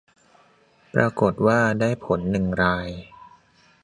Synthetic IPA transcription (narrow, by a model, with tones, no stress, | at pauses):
pɾa˧ko˨˩t̪̚waː˥˩daː˥˩jpʰo˩˦nːɯ˨˩ŋɾaː˧j